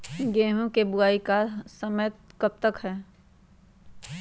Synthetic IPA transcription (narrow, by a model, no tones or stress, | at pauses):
ɡeːɦõkebʊaːikaːɾsəməjət̪̚kəp̚t̪əkɦɛː